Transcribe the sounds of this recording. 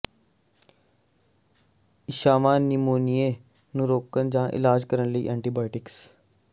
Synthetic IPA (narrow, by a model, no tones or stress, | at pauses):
ɪʃaːmaːnːimoːnije | nũɾoːkənd͡ʒãːʔɪ̰laːd͡ʒkəɾənləḭːʔɛ̃ːɳʈiːbaːɪʈɪks